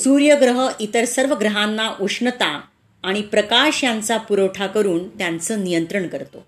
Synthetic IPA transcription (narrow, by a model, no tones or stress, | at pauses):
suɾjəɡɾəɦəʔit̪əɾsəɾʋəɡɾəɦãnːaʔuʂɳət̪a | aɽ̃ipɾəkaɕjant͡sapuɾəwʈʰakəɾuːnt̪jant͡səːnijənt̪ɾəɳkəɾt̪o̰